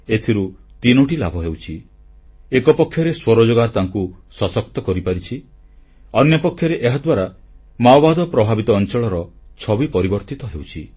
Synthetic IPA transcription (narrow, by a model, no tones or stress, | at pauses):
et̪ʰiɾut̪inuʈilabʱɔɦewt͡ʃʰi | ekɔpɔkʰːjɔɾeswɔɾɔd͡ʒoɡaɾt̪aŋkusɔsɔk̚t̪ɔkɔɾipaɾit͡ʃʰi | ɔnjɔpɔkʰːjɔɾeʔeɦad̪waɾa | mawbad̪ɔpɾɔbʱabit̪ɔːnt͡ʃɔɭɔɾɔt͡ʃʰɔbipɔɾibɔɾt̪it̪ɔɦewt͡ʃʰi